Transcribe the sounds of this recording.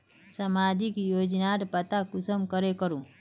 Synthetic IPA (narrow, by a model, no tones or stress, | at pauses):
samaːd͡ʒikjoːd͡ʒnaːʈpət̪akʊsəmkəɾekəɾũː